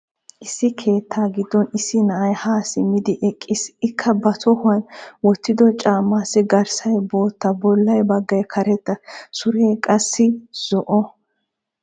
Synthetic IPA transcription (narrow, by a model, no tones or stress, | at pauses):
ʔɪsːɪkʰe̞ːt̪ʰːaːɡɪd̪ːɔnɪsːɪnɐʔɐjhaːsɪmːɪd̪ɪʔɛkʼːɪsɪkʰːɐbɐt̪ɔhʊɐnwɔt̪ːɪd̪ɔt͡ʃʼaːmːaːsːɪɡɐɾsɐjbo̞ːt̪ːɐbɔlːɐjbɐɡːɐjkʰɐɾɛt̪ːɐsʊɾeːkʼɐsːɪz̥ɔʔɔ